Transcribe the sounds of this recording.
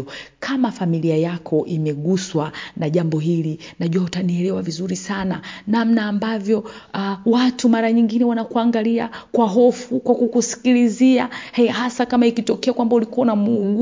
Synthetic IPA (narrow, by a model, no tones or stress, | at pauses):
kʰamafamiliajakʰɔʔimɛɠuswanaʄambɔɦilinaʄɔtaniɛlɛwavizuɾisananamnaːmbavjɔwatumaɾaɲiŋɡinɛwanakuaŋɡaliakwaɦɔfukwakukusi̥kiliziahɛhasakamaikitɔkɛakwambaulikuanamuŋɡu